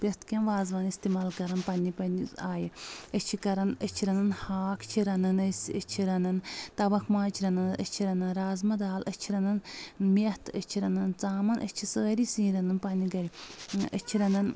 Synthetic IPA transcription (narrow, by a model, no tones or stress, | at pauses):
pʲest̪kʲɐnʋaːzʋaːnist̪imaːlkɐɾɐnpɐnʲipɐniaːjət͡ʃʰikɐɾɐnət͡ʃʰiɾɐnɐnhaːkʰt͡ʃʰiɾɐnɐnəsʲət͡ʃʰiɾɐnɐnt̪ɐʋɐkʰmãːt͡ʃʰiɾɐnɐnə̰t͡ʃʰiɾɐnɐnɾaːzmɐd̪aːlʔət͡ʃʰiɾɐnɐnmiht̪ʰət͡ʃʰiɾɐnɐnt͡saːmɐnʔɐ̰t͡ʃʰisəːɾisĩːɾɐnɐnpɐniɡɐɾʲiə̰t͡ʃʰiɾɐnɐn